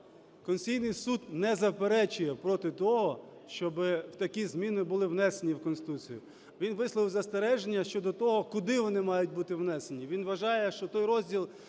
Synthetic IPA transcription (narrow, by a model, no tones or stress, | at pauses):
kɔnsʲijnɪjsud̪nɛzɐwpeɾɛt͡ʃʊjɛpɾɔt̪ɪt̪ɔɦɔ | ʃt͡ʃɔbɪwt̪ɐkʲizmʲinɪbʊlˠɪwnɛsenʲiwkɔnsɪ̥t̪ut͡sʲijʊ | ʋʲinʋɪslˠɔʋɪwzɐst̪eɾɛʒenʲːɐʃt͡ʃɔd̪ɔt̪ɔɦɔkʊd̪ɪʋɔnɪmɑjʊt̚ʲbut̪ɪwnɛsenʲiʋʲinʋɐʒɑjɛʃt͡ʃɔt̪ɔjɾɔzʲdʲilˠ